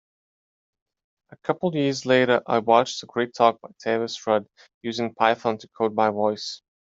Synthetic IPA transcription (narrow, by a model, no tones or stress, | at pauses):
ʔəkʰʌpl̩ˠvjɪɹzleɪɾə˞ʔa̰ɪwɑt͡ʃðəɡɹeɪtʰɔk̚b̥aɪtʰeɪvɨsɹʌd | jʉzɪ̃ŋpʰaɪθə̃ntʰəkʰoʊd̚baɪvɔɪs